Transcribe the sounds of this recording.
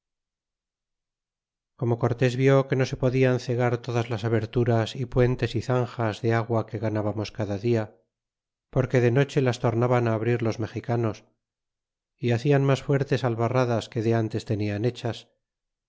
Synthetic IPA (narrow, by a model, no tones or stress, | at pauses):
ko̞mo̞ko̞ɾt̪e̞zβjo̞ke̞no̞se̞po̞ðianθe̞ɣ̞aɾt̪o̞ðazlasaβe̞ɾt̪uɾasipwe̞nt̪e̞siθaŋxazðe̞aɣwake̞ɣanaβamo̞skaðaðia | po̞ɾke̞ðe̞no̞t͡ʃe̞last̪o̞ɾnaβanaːβɾiɾlo̞zme̞xikano̞s | iaθianmasfwe̞ɾt̪e̞salβaraðaske̞ðe̞ant̪e̞st̪e̞niane̞t͡ʃas